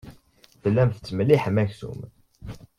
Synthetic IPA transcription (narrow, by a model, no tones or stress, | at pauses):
θəlːæmθt͡sːməliħmæçθṵm